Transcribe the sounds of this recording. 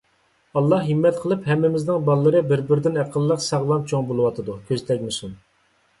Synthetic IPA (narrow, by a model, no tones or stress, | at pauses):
ɑlˠːɑhːimːɛt̪qʰəlˠɨphɛmːɪmɪznɪŋbɑlˠːəɾɨbɪɾbɪɾd̪ɪnæqʰəlˠːəqsɑʁlˠɑmt͡ʃʰoŋbolˠɨwɑt̪ʰɨd̪ukʲʰøzt̪ʰɛkʲmysun